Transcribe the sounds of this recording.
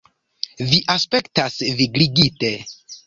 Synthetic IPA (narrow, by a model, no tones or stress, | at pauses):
viʔaspektasviɡɾiɡite